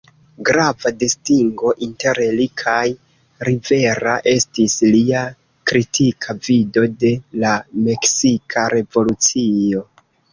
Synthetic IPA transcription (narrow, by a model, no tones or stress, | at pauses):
ɡɾavadistiŋɡo̞ʔinte̞ɾlikʰaj | ɾive̞ɾaʔe̞stislia | kɾitʰikʰavido̞de̞lame̞ksikʰaɾe̞vo̞lut͡sio̞